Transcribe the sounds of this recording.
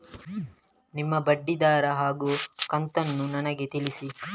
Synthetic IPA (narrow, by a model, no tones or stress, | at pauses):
nimːɐbɐɖːid̪aːɾɐɦaːɡuːkɐnt̪ɐnːunɐnɐɡet̪ilisi